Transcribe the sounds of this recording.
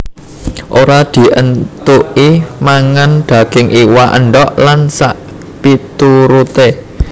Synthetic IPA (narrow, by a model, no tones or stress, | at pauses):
ʔoɾad̪̥i̤ʔənt̪uʔimaŋand̥a̤ɡ̥ɪŋʔiwaʔənɖɔʔlansa̰ʔ | pit̪uɾut̪e